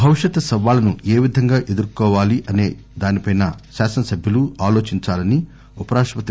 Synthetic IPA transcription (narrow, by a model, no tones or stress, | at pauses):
bʱɐʋiʃjɐt̪ɐsɐʋaːlɐnueːʋid̪ʱɐŋɡaːʔe̞d̪uɾkɔːʋaːliʔɐne̞ː | d̪aːnipɐjnɐʃaːsɐnɐsɐbʱjɐluaːlo̞ːt͡ʃiɲt͡ʃaːlɐni | upɐɾaːʂʋɐt̪i